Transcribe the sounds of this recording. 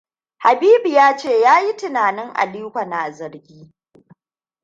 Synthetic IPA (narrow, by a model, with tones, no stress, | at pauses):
ha˨biː˦bi˨jaː˦t͡ʃeː˦˨jaː˦ji˦tɪ˨naː˨nɪ˦ŋʔa̰˨liː˦kʷa˨na˨zɐ˨ɾɡʲiː˦